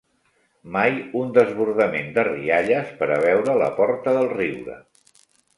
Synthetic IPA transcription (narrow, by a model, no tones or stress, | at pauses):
majund̪əzβuɾðəmend̪ərḭaʎəspəɾəβ̞ɛwɾələ̰pɔɾt̪əðəlˠriwɾə̰